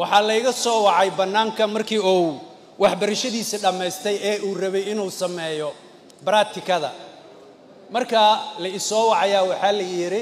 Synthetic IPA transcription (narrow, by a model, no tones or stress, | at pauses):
wɑħɑːlɐɪɣɐsɔːwɑʕɑjbɐnːaːŋkʰɐmɐrkʰiːuː | wɑħbɐɾɐʃɐðiːsiɖɐmɛjst̪ʰɛjɛːuːrɐβɛjɪnuːsɐmɛːjɔ | bɐɾaːt̪ʰɪkʰɐðɐ̰ | mɐrkʰɐlɐɪsɔːwɑʕɑjaːwɑħɑːlɐjɪɾɪ